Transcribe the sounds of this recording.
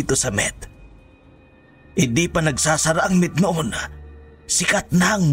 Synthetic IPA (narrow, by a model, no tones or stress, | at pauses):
t̪osɐmɛ̰t̪̚ | ɪnd̪ipanɐɡsaːsɐɾaʔɐŋmɪt̪̚noʔon | sɪkat̪̚naŋm